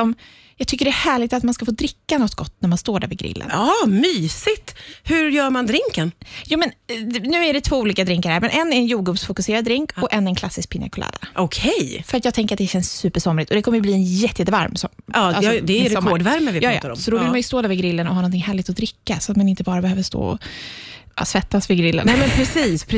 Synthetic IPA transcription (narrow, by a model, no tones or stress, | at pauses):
ɔm | jɑɡ̚t̪ʰʏkːəɖɛhæːɭɪɡ̚t̪at̪manskafoːd̪ɾɪkːanɔt̪ːɡ̥ɔt̪ːnæɾmanst̪oːɖæ̰ɾvɪɡɾɪ̰lːə̰nɑmyːsɪt̪hɵɾjœːɾmand̪ɾɪŋkənjuːmɛnnʉ̟ːæɖɛt̪ʰvoːuːliːkad̪ɾɪŋkaɾhæɾmɛnʔɛnːɛɾɛnjuːɡuːpsfʊkɵseːɾad̪̚d̪ɾɪŋkɔʔɛnɛnkʰlasːɪsk̚pʰɪna̰kʰʊla̰ːd̪a̰ʔɔkʰɛjfœɾat̪jɑːɡt̪ʰɛŋkəɾat̪d̪ɛɕɛnsːʉ̟ːpəʂɔmɾɪt̪ɔd̪ɛkʰɔmːəjɵbliːɛnjɛt̪ːəjɛt̪ːəva̰ɾmsɔ̰mɑːalsɔd̪ɛæjɾɛmoːɖvæɾməvɪpjɑːjɑ̰ːt̪ːaɾɔ̰msɔd̪ɔvɪlmanjɵst̪oːd̪œːvəɡɾɪlːənɔhɑnɔnɪŋhæːɭɪt̪ɔd̪ɾɪkːasɔat̪manɪnt̪əbɑːɾabɛhøːvəʂt̪o̰ːɔ̰ | svɛt̪ːasvɪɡɾɪlːə̰nɛmɛnpʰɾɛsiːspʰ